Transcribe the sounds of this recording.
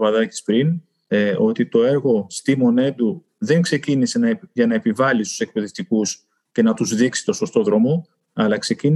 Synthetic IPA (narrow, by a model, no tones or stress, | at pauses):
vɐðɐci̥spɾin | o̞t̪it̪o̞e̞ɾɣo̞st̪imo̞ne̞nd̪u | ðe̞ŋkse̞cinise̞nɐʝɐnɐe̞pivɐlist̪u̥se̞k̚pe̞ðe̞ft̪ikus | ce̞nɐt̪uzðiksi̥t̪o̞so̞st̪o̞ðɾo̞mo̞ | ɐlɐkse̞cin